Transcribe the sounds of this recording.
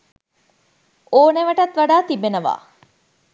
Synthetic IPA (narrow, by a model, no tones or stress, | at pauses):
oːneʋɐʈɐt̪ʋɐɖaːt̪ibenəʋa̰ː